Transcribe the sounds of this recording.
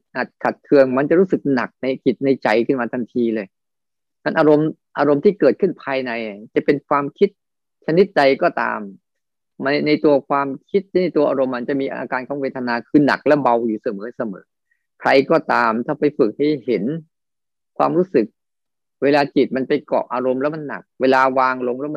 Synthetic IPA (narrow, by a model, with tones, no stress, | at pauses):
ʔa˨˩t̪̚kʰa˨˩t̪̚kʰɯ˧əŋma˧nt͡ɕa˨˩ɾuː˦˥sɯ˨˩k̚na̰˨˩k̚na˧jt͡ɕi˨˩t̪̚na˧jt͡ɕa˧jkʰɯ˥˩nmaː˧a˧nt̪ʰiː˧lɤː˧j | tʰa˧nʔaː˧ɾo˧m | ʔaː˧ɾo˧mt̪ʰiː˥˩kɤː˨˩t̪̚kʰɯ˥˩npʰaː˧jna˧jt͡ɕa˨˩pe˧nkʰwaː˧mkʰi˦˥t̪̚ | t͡ɕʰa˧ni˦˥t̪̚da˧jkɔː˥˩t̪a̰ː˧m | a˧na˧jt̪u˧ɐkʰwaː˧mkʰi˦˥t̪̚t͡ɕʰa˦˥na˧jt̪u˧ɐʔaː˧ɾo˧mːa˧nt͡ɕa˨˩miː˧ʔa̰ː˧kaː˧nkʰɔː˩˦weː˧t̪ʰa˧naː˧kʰɯː˧na̰˨˩k̚lɛ˦˥ba˧wjuː˨˩sa˨˩mɤː˩˦sa˧mɤ̰ː˩˦ | kʰɾa˧jkɔː˥˩t̪aː˧mt̪ʰaː˥˩pa˧jfɯ˨˩k̚ha˥˩jhe˩˦n | kʰwaː˧mɾuː˦˥˩sɯ˨˩k̚ | weː˧laː˧t͡ɕi˨˩t̪̚ma˧npa˧jkɔ̰ː˨˩ʔaː˧ɾo˧mlɛː˦˥wma˧nːa̰˨˩k̚weː˧laː˧waː˧ŋlo˧ŋlɛː˦˥wm˧